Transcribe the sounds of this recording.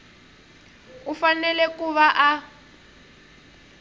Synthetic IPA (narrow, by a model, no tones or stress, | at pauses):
ufanɛlɛkuβaʔa